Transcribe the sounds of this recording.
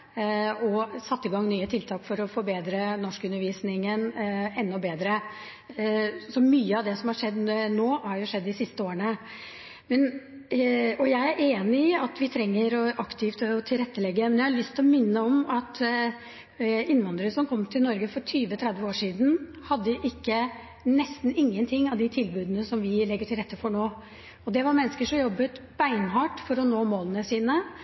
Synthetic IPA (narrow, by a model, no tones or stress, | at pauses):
ɔsɑt̪ːɪɡɑŋːnyːət̪ʰɪlt̪ʰɑːkfɔɾɔfɔɾbeːd̪ɾənɔʂkʉnːəɾʋiːsnɪŋənɛnːɔbeːd̪ɾə | sɔmyːəɑʋd̪ɛsɔmhɑʂɛd̪ːnoːhɑɾjʊʂɛd̪ːɪsɪst̪əoːɾəɳə | mɛn | ɔjæɪæɾʔeːnɪɪɑt̪ʋɪt̪ʰɾɛŋːəɾɔʔɑkt̪ʰɪft̪t̪ʰɪlɾɛt̪ːəlɛɡːəmɛnjæɪhɑɭʏst̪ʰɪlɔmɪnːəɔmɑt̪ | ɪnːʋɑnd̪ɾəsɔmkʰɔmːt̪ʰɪlnɔɾɡəfɔʈʰyːʋət̪ʰɾɛd̪ʋəoːʂiːd̪n̩ | hɑd̪ːəʔɪkːə | nɛst̪n̩ɪŋːənt̪ʰɪŋːɑʋd̪ɪt̪ʰɪlbʉːd̪ənəsɔmʋɪlɛɡːəʈʰɪlɾɛt̪ːəfɔɳoː | ɔd̪ɛʋɑɾmɛnːəskəʂɔmjɔbːət̪b̥æɪnhɑːʈfɔɾɔnoːmoːlənəsiːnə